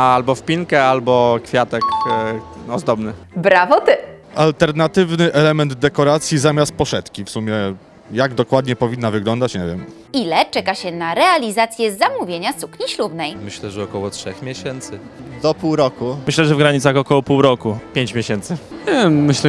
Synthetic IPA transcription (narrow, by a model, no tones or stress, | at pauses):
albɔfpʲiŋkɛalbɔkfʲjat̪ɛk | ɔzd̪ɔbnɘbɾavɔt̪ɘ | alt̪ɛɾnat̪ɘvnɘʔɛlɛmɛnd̪d̪ɛkɔɾat̪sʲjizamʲast̪̚pɔʂɛt̪kʲifsumʲjɛ | jaɡd̪ɔkwad̪ɲɛpɔvʲinːavɘɡlɔnd̪at͡ɕɲɛvʲjɛ̰m | ilɛt͡ʂɛkaɕɛnaɾɛalʲizat̪sʲjɛzamuvʲjeɲasukɲiɕlubnɛjmɘɕlɛʐɛɔkɔwɔtʂɛxmʲjɛɕɛnt̪sɘ | d̪ɔpuwɾɔkumɘɕlɛʐɛvɡɾaɲit̪saxɔkɔwɔpuwɾɔkupʲjeɲt͡ɕmʲeɕɛnt̪sɘɛmɘɕlɛ